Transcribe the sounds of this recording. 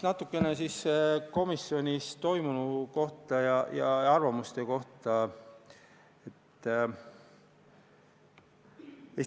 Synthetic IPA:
nɑt̪ːˑukːˑe̞nesisko̞misːio̞nʲist̪o̞jmunuko̞ht̪ˑɑjɑjɑɑrvɑmust̪e̞ko̞ht̪ɑ | et̪ːˑ | e

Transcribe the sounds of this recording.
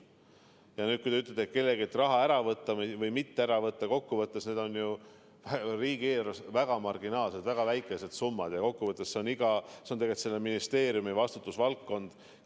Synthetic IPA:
jɑnyːt̪kujd̪eyt̪̬ːˑled̪et̪̚ke̞lːe̞ɡiet̪ːrɑɦɑæɾɑvɤt̪ːɑmvɤjmit̪ːeæɾɑvɤt̪ːɑko̞kːuvɤt̪ːˑesne̞ːd̪o̞nju | væriːɡieːɾosvæɡ̥ɑmɑrɡ̥inɑːlsed̪væɡ̥ɑvæjkːˑese̞d̪sumːɑd̪jɑko̞kːuvɤt̪ˑːesse̞oniɡɑsent̪eɡet̪selːeminist̪e̞ːɾijumivɑst̪ut̪ːˑusvɑlkːo̞nd̪̥

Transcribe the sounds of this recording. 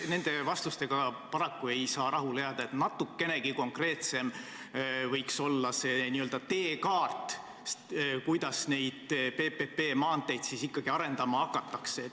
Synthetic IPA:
ne̞nd̪̥e̞vɑst̪ust̪e̞ɡ̥ɑpɑɾɑkːue̞jsɑːɾɑɦuleɑd̪ɑet̪nɑt̪ːˑukːe̞ne̞ɡ̥iko̞ŋkre̞ːt̪se̞m | vɤjkso̞lːɑse̞niø̞ld̪̥ɑt̪e̞ːkɑːrt̪ | kujd̪̥ɑsne̞jd̪̥pe̞pepe̞ːmɑːnt̪ˑe̞jd̪̥sisikːɑɡ̥iɑɾe̞nd̪̥ɑmɑɑkːɑt̪ːˑɑkse

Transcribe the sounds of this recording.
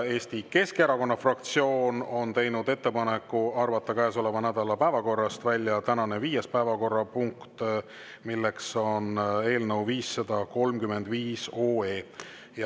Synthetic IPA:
e̞ːst̪ike̞skeɾɑko̞nːɑfrɑk̚t̪sio̞ːno̞nt̪e̞jnud̪e̞t̪ːepɑne̞kːˑuɑrvɑt̪ːˑɑkæːso̞levɑnæd̪̥ɑlɑpæevɑko̞rːɑst̪vælʲːjɑt̪ænɑne̞viːjespæevɑko̞rːɑpuŋkt̪ | milːe̞kso̞ne̞ːlnəwviːsːɑd̪̥ɑko̞lmkyme̞nd̪viːsoːeː | jɑ

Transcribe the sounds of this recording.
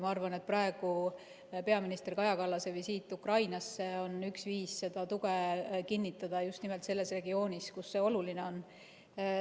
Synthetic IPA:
mɑɑrvɑne̞t̪̚prɑe̞ɡ̥u | pe̞ɑminist̪e̞rkɑjɑkɑlːɑse̞visiːt̪ːˑukrɑjnɑsːe̞o̞nyksviːsse̞d̪̥ɑt̪uɡ̥ekinʲːit̪ːˑɑd̪̥ɑjust̪nime̞lt̪se̞lːe̞sre̞ɡio̞ːnʲiskusːe̞o̞luline̞o̞n

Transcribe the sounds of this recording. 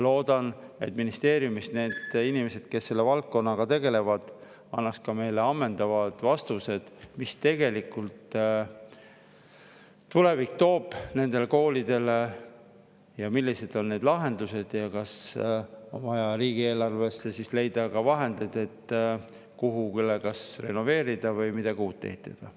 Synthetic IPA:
lo̞ːd̪̥ɑne̞̰t̪ːminist̪e̞ːɾjumisne̞ːd̪̥inime̞se̞d̪̥ke̞sːe̞lːe̞vɑlk̪̚ko̞nːɑɡ̥ɑt̪e̞ɡe̞le̞vɑd̪̥ | ɑnːɑkskɑme̞jle̞ɑmːe̞nd̪̥ɑvɑd̪̥vɑst̪use̞d̪̥mist̪e̞ɡ̥e̞likːˑult̪ | t̪ːule̞vikt̪o̞ːb̥ne̞nd̪̥e̞leko̞ːlid̪̥e̞le | jɑmilːise̞d̪̥o̞nne̞ːd̪lɑɦe̞nd̪use̞d̪̥jɑkɑs | o̞̰nvɑjɑɾiːɡ̥ieːlɑrve̞sːesisle̞jd̪̥ɑkɑvɑɦe̞nd̪ed̪e̞t̪ː | kuɦukylːekɑsre̞no̞ve̞ːɾid̪̥ɑvɤjmid̪̥ɑɡuːt̪̚t̪ːehit̪ːˑed̪̥ɑ

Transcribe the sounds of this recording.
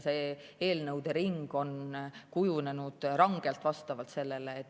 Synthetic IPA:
se | e̞ːlnɤwd̪̥e̞ɾiŋɡ̥o̞nkujune̞nud̪̥rɑŋɡ̥e̞lt̪ːvɑst̪ɑvɑlt̪se̞lːe̞leːt̪ː

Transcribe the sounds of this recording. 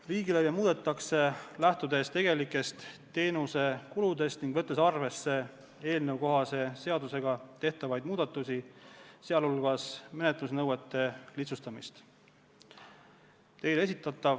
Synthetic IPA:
riːɡilejɑmuːd̪̥e̞t̪ːˑɑkse̞læht̪ud̪e̞st̪e̞ɡ̥e̞likːˑe̞st̪t̪ːe̞ːnuse̞kulud̪e̞st̪niŋɡ̥vɤ̞t̪ːˑe̞sɑrve̞sːe̞ | e̞ːlnewko̞ɦɑse̞se̞ɑd̪use̞ɡ̥ɑt̪e̞ht̪ɑvɑjd̪̚muːd̪̥ɑt̪ːˑusʲiseɑlulɡ̥ɑsme̞net̪ˑlusnɤwet̪ːe̞lit̪sust̪ɑmist̪ | t̪e̞jle̞sit̪ːˑɑt̪ːˑɑv

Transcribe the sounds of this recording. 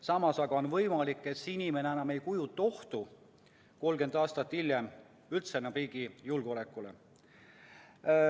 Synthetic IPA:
sɑmɑsɑɡ̥ɑo̞nvɤjmɑlikːˑe̞t̪sinime̞neænɑme̞jkujut̪ːˑɑo̞ht̪u | ko̞lɡe̞nd̪̥ɑːst̪ɑt̪ːilʲjem | ylt̪senːɑpriːɡijulɡ̥ole̞kˑːulḛ

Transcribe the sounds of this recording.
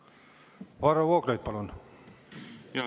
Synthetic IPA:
ʋɑrɑʋuokreit̪pɑlon

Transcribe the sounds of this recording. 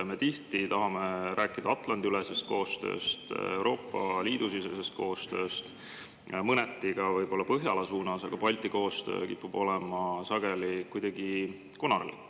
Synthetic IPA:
me̞t̪iht̪it̪ɑɦɑmeɾʔæːkːˑid̪̥ɑɑt̪ˑlɑnd̪iylɛsest̪̚ko̞ːst̪ø̞̰ːst̪e̞wɾo̞ːpːˑɑliːd̪usisesest̪̚ko̞ːst̪ø̞ːst̪ | mɤnɛt̪ːˑiɡ̥ɑvɤjb̥o̞lːɑpɤɦjɑlɑsuːnɑsɑɡ̥ɑpɑlʲt̪ˑiko̞ːst̪ø̞̰ːkḭpːub̥o̞lɛmɑsɑɡ̥elikujd̪̥ɑɡ̥i | konɑrlḭ

